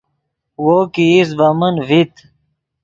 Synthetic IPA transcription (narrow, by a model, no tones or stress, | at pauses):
wokiːs̬bɐmənvit̪